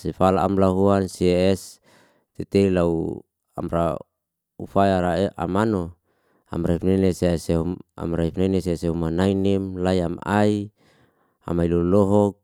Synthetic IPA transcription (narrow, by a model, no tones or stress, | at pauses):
sifalaːmlaɦuansieɛs | t̪et̪eilau | a̰mɾa | ṵfajaɾaeʔa̰mano | a̰mɾaifneneseseua̰mɾaifneneseseumanainimlaiama̰i | a̰mailɔlɔɦɔk̚